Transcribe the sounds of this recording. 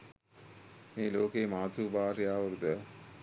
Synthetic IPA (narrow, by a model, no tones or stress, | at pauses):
meːloːkemaːt̪uːbaːɾijaːʋɐɾud̪ə